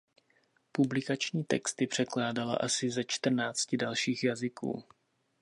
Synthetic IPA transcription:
publɪkat͡ʃɲiːt̪ɛ̰kst̪ɪpr̝̥ɛklaːdala̰ʔasɪzɛt͡ʃt̪r̩naːt͡scɪdalʃiːxjazɪkʰṵː

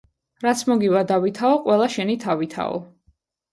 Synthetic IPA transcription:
ɾat̪sʰmɔɡivad̪avit̪ʰaɔqʼwɛlˠaʃɛnit̪ʰavit̪ʰa̰ɔ̰

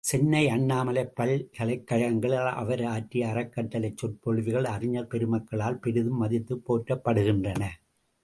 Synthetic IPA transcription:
sɛnːɐɪɐɳːaːmɐlɐpːɐɭkɐlɐɪkːɐɻɐŋɡɐɭaːlʔɐ̰ʋɐɾaːʈːiɐɾɐkːɐʈːɐlɐt͡ʃːɔʈpɔɻɯʋɪɣɐɭɐrɪɲɐpɛɾɯmɐkːɐɭaːlpɪɽɯðɯmːɐðɪt̪ːɯpːoːʈrɐpːɐɽɯɣɪndrɐnɐ

